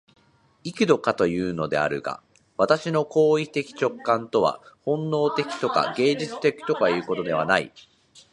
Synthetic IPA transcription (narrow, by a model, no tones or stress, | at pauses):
ikɯ̟d̪o̞kat̪o̞jɯ̟ːno̞d̪e̞̰a̰ɾɯ̟̰ɡa̰ | βat̪aɕino̞ko̞ːit̪e̞kʲi̥t͡ɕo̞kːãnt̪o̞βa̰hõ̞nːo̞ːt̪e̞kʲi̥t̪o̞ka̰ɡe̞ːd͡ʑit͡sɨ̥t̪e̞kʲi̥t̪o̞kajɯ̟ːko̞t̪o̞d̪e̞β̞a̰naḭ